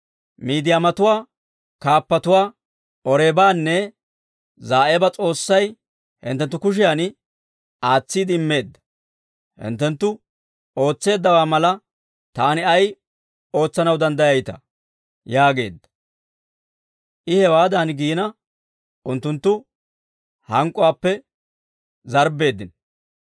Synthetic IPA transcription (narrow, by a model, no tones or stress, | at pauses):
miːd̪ɪjaːmɐt̪ʊwaː | kaːpːɐt̪ʊwaː | ʔɔɾeːbaːnːɛ | zaːʔɛbɐt͡sʼo̞ːsːɐj | hɪ̰nt̪ːɛnt̪ːʊkʊʃ̬ɪjaːn | aːt͡sːid̪ɪɪmːe̞ːd̪ːɐ̥ | hɪ̰nt̪ːɛnt̪ːʊ | o̞ːt͡sːe̞ːd̪ːɐwaːmɐlɐ | t̪aːnɪɐj | o̞ːt͡sːɐnɐwd̪ɐnd̪ɐjɐjt̪ɐ̰ | jaːɡe̞ːd̪ːɐ̥ | ʔɪhɛwaːd̪aːnɡiːnɐ | ʔʊnt̪ːʊnt̪ːʊ | hɐŋkʼːʊwaːpːɛ | zɐɾbe̞ːd̪ːɪn